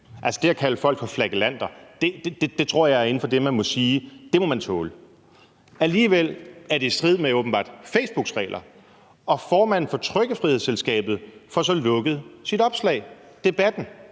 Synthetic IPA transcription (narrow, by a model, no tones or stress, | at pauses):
ælsəd̥e̝æɐkʰæləfɒ̽l̰ɡ̥fɒ̽flæɡ̥əlæn̰d̥ɐd̥e̝d̥e̥ed̥e̝t͡sʰʁo̝ɐ̰jɑ̈ɪæɐe̝n̩fɒ̽d̥emænmɔ̽siːd̥e̝mɒ̽mænt͡sʰɔ̰ːlə | æliːʋel̰æɐde̝sd̥ʁið̞̰ˠmeɔ̽ːb̥n̩b̥ɑ̰̈ːd̥feɪsb̥uɡ̥sʁɛ̰ːlʔɐ | ɒ̽fɒːmæn̰n̩fɒ̽t͡sʰʁœɡ̥əfʁiheð̰ˠselsɡ̥ɛ̰ːb̥ð̞̩ˠfɒ̽sɒ̽lɔ̽ɡ̥əð̞̩ˠsid̥ɒ̽b̥slɛ̰ɪ | d̥e̝b̥æd̥n̩